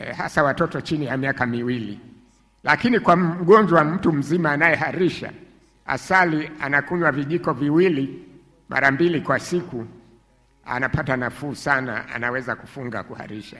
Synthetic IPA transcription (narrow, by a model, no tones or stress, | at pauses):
ha̰sawatɔtɔt͡ʃinijamiakamiwili | lakinikwaɠɔɲd͡ʒwam̩tum̩zimaːnajɛɦaɾiʃa̰ | a̰salianakuɲwaviʄikɔviwili | mʔa̰ɾambilikwasiku | a̰napatanafusana̰a̰nawɛzaku̥fuŋɡa̰kuha̰ɾiʃa